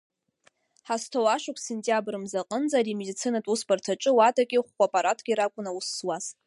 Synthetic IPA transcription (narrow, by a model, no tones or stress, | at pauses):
ħastʰowaʃʊkʷʰsentʼjabrɨmzaqʼənd͡zʼaɾimedit͡sʰinatʼusbartʰaʈ͡ʂʼɨwatʼakʲʼɪχːʷapʼaɾatʰɡ̥ʲiɾakʷʼʊnausːwaz̥